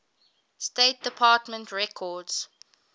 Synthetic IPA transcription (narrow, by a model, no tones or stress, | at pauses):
steɪt̚d̥əpʰɑːtmə̃ntʰɹɛkʰɔdz̥